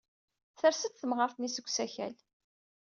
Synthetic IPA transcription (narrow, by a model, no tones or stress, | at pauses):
θəɾsət̪θəmʁəɾθnisəɡʷːsæçæ̰l